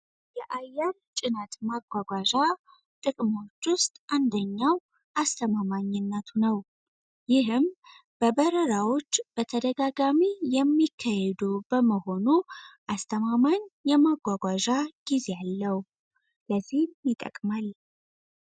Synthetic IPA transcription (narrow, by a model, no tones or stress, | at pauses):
jɛʔajːɛɾt͡ʃʼɪnət̪maɡʷaɡʷaʒa | t̪ʼɨkʼmo̞t͡ʃːwʊst̪ʼʔand̪əɲːaw | ʔast̪ʰəmamaɲːɪnːət̪ʰunəw | jɪɦɨm | b̥əbəɾəɾawo̞t͡ʃːb̥ət̪ʰəd̪əɡaɡamijɛmːikʰːajhɛd̪ubəməho̞nuʔast̪ʰəmamaɲjɛmaɡʷaɡʷaʒaɡ̥ize̞jalːəh | ləzːihmjit̪ʼə̰kʼmal